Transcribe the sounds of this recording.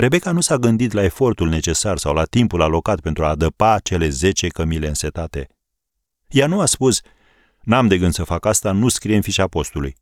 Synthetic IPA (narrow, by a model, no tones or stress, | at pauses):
ɾe̞be̞kanusaɡɨnd̪it̪lae̞fo̞rt̪ulne̞t͡ʃe̞sarsawlat̪impulalo̞kat̪̚pe̞nt̪ɾuad̪əpat͡ʃe̞le̞ze̞t͡ʃe̞kəmile̞ɨnse̞t̪at̪e̞ | januaspus | namd̪e̞ɡɨnd̪səfakast̪anuskɾijenfiʃapo̞st̪ulṵj